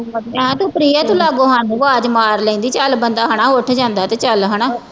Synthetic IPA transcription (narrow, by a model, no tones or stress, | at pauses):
ɛ̃ːt̪õːpɾiːaːt̪ũːlaːɡoːɦənʋaːd͡ʒmaːɾlɛ̃ĩnd̪iːt͡ʃəlbənd̪aːɦəɳaːʊʈʰd͡ʒãːnd̪aːt̪eːt͡ʃəlɦəɽ̃aː